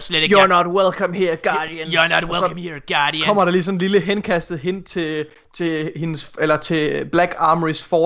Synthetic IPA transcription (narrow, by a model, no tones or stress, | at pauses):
sledejunɒd̥welkʰɒmhiɐɡ̥ɑːd̥iənnɔwsɒ̽iɡ̥ɑːdikʰɒ̽m̰ɐɾ̥ɑ̈lisɒ̽n̩liləɦenkʰæsd̥ð̩ˠɦen̰t͡sʰe̝ | t͡sʰe̝he̝nselɐt͡sʰe̝b̥læɡ̥ɑ̈ːməʁisfɒː